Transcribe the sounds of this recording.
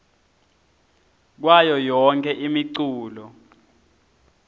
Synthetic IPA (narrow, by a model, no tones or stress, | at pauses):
k̬wajɔjɔŋkʰʼɛʔimiǀuːlɔ